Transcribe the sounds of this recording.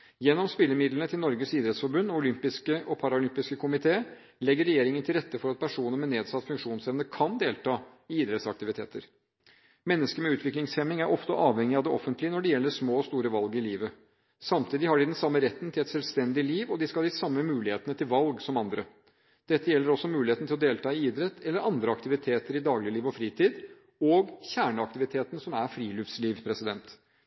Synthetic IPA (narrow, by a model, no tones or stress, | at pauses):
jɛnːɔmspɪlːəɾmɪd̪lənət̪ʰɪlnɔɾɡəsiːd̪ɾɛt̪sfɔɾbʉnːɔʊlʏmpɪskəʔɔpʰɑɾɑʊlʏmpɪskəkʰʊmɪt̪ʰeː | lɛɡːəɾːɛjeːɾɪŋənt̪ʰɪlɾɛt̪ːəfɔɾɑt̪̚pʰæʂuːnəɾmɛneːd̪sɑt̪ːfʉŋkʂuːnsɛʋnəkʰɑnd̪eːlt̪ʰɑː | ɪiːd̪ɾɛt̪sɑk̚t̪ɪʋɪt̪ʰḛːt̪əɾ | mɛnːəskəmɛʉːt̪ʋɪklɪŋshɛmɪŋæɾʔɔft̪əʔɑːʋhɛŋːɪɑʋd̪ɛʔɔfːənt̪lɪənɔɖɛjɛlːəʂmoːst̪uːɾəʋɑlɡəɾɪliːʋə | sɑmt̪ʰiːd̪ɪhɑɖɪd̪ɛnsɑmːəɾɛt̪ːn̩t̪ʰɪlɛt̪sɛlʋst̪ɛnd̪ɪliːʋɔd̪ɪskɑld̪ɪsɑmːəmʉːlɪheːt̪ənət̪ʰɪlʋɑlɡsɔmɑnd̪ɾə | d̪̥ɛt̪ːəjɛlːəɾɔsːɔmʉːlɪheːt̪nt̪ʰɪlɔd̪eːlt̪ʰɑːɪiːd̪ɾɛt̪ːʰɛlːəɾɑnd̪ɾəɑkt̪ɪʋɪt̪ʰeːt̪əɾɪd̪ɑːɡlɪəliːʋɔfɾiːt̪ʰiːd̪ | ɔːɡçæːɳəɑk̚t̪ɪʋɪt̪ʰeːt̪n̩sɔmæɾfɾiːlʉfsliːʋpʰɾɛsɪd̪ɛnt̪